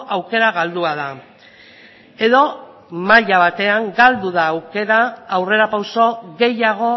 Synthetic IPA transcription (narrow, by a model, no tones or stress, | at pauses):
ʔawke̞ɾaɣald̪uaða | e̞ðo̞ | maʎaβat̪e̞aŋɡald̪uðaːwke̞ɾaːwre̞ɾapawso̞ɣe̞jaɣ̞o̞